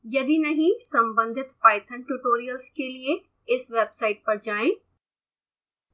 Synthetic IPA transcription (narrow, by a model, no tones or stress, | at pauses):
jɐd̪inɐɦĩsɐ̃mbə̃nd̪ʱɪt̪paːɪt̪ʰəñʈuʈoːɾijəlskʰeːlie | ɪsʋeːbsaːɪʈ̚pɐɾd͡ʑaːẽ